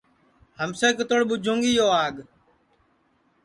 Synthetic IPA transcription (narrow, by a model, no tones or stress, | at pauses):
həmseːkət̪oɽɓʊd͡ʒʱũːŋɡiːjoːaːɠ